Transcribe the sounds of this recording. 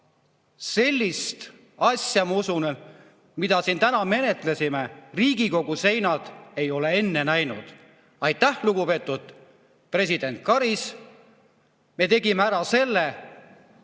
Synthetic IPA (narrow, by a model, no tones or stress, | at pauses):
se̞lʲːist̪ | ɑsʲjɑmɑusun | mid̪̥ɑsint̪ænɑme̞ne̞t̪ˑlesʲimeriːɡ̥iko̞ɡ̥use̞jnɑd̪̥e̞jo̞le̞e̞nːe̞næjnṵd̪̥ | ɑjt̪ːˑæhluɡ̥upe̞ːt̪ːˑud̪̥̚ | pre̞s̬ʲid̪̥e̞nt̪̚kɑɾis | me̞t̪e̞ɡimeæɾɑse̞lːe